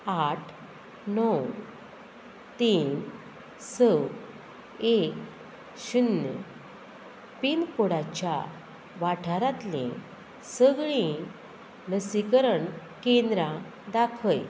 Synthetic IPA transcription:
aʈʰ | nɔw | t̪iːn | səw | ek | ɕunːə̰ | pinkoɽat͡ɕja | ʋaʈʰaɾat̪lḛ̃ | səɡɭĩ | nəsikəɾəɳ | kẽnd̪ɾã | d̪akʰəj

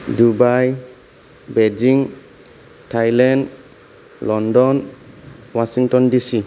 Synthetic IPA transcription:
dubaj | bɛd͡ʒiŋ | tʰajland | lɔndɔn | wasiŋtɔndisi

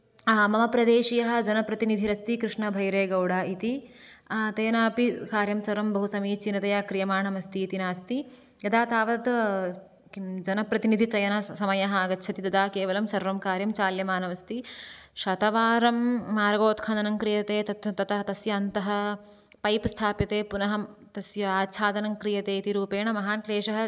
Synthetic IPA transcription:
mɐmɐpɾɐd̪eːʃijɐɦɐ̆d͡ʒɐnɐpɾɐt̪inid̪ʱiɾɐst̪ikɾiʂɳɐbʱɐjɾeːɡɐwɽaːit̪i | t̪ɐjɐnaːpikaːɾjɐmsɐɾʋɐmbɐɦusɐmiːt͡ʃinɐt̪ɐjaːkɾijɐmaːɳɐmɐst̪iːt̪inaːst̪i | jɐd̪aːt̪aːʋɐd̪ | d͡ʒɐnɐpɾɐt̪inid̪ʱit͡ʃɐjɐnɐsɐmɐjɐɦɐaːɡɐtːʃʰɐt̪id̪ɐd̪aːkeːʋɐlɐmsɐɾʋɐmkaːɾjɐmt͡ʃaːljɐmaːnɐmɐst̪iʃɐt̪ɐʋaːɾɐmːaːɾɡoːt̪kʰɐnd̪ɐnɐŋkɾijɐt̪eːt̪ɐt̪t̪ɐt̪ɐɦɐt̪ɐsjɐːnt̪ɐɦɐ̆ | pɐjpst̪ʰaːpjɐt̪eːpunɐɦɐmt̪ɐsjɐaːt͡ʃʰaːd̪ɐnɐŋkɾijɐt̪eːit̪iɾuːpeːɳɐmɐɦaːnkleːʂɐɦɐ

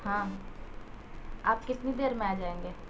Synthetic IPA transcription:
hãː | aːp̚kɪt̪nid̪eːɾmẽaːd͡ʒaːẽːŋɡeː

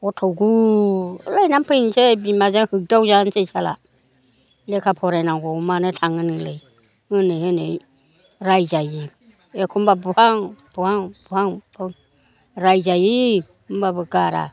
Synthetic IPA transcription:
ɔtʰɔɡu | lajnampʰɯnsɛbimazɛŋhɯɡ̚dawzansejsala̰ | lɛkʰapʰɔɾɛnaŋɡɔumanɛtʰaŋɯnɯŋlej | hɯnɛhɯnɛ | ɾajzaji | ɛkʰumbabuhaŋb̥uhaŋb̥uhaŋbɔ | ɾajzaji | kumbabɯɡaɾa̰

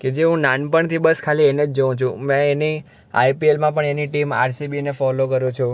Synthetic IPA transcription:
ked͡ʒeɦũnanpəɳt̪ʰibəskʰaliened͡ʒd͡ʒəũt͡ʃʰũmɛ̃eni | a̰jpielmãpəɳeniʈima̰ɾsibinefɔlokəɾũt͡ʃʰũ

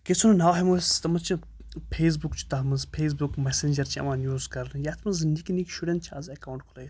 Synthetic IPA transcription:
kʲesʰununaːɦemust̪ɐmɐt͡ʃʰi | pʰeːs̬bukt͡ʃʰu̥t̪ɐɦmɐzpʰeːs̬bukmesend͡ʒɐɾt͡ʃʰiɐ̰mãːnjuːzkɐɾlɨjaːt̪ʰmɐnzɨnd̪ikʲinikʃuɖʲent̪t͡ʃʰa̰ːzɐkawuɳʈ̚kʰulɐj

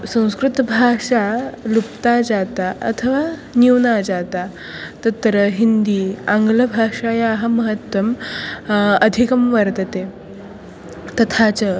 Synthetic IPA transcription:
sə̃w̃skɾut̪bʱaʂalupt̪ad͡zat̪aʔə̰t̪ʰəʋaniwnad͡zat̪a | t̪ət̪ɾəɦind̪iãŋɡləbʱaʂajaɦaməɦət̪ʋəm | əd̪ʱikəmʋəɾt̪ət̪e | t̪ət̪ʰat͡sə

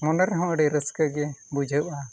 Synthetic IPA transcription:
mɔnəɾɦɔ̃əɖɛɾəskəɡɛbud͡ʒʱəʔa

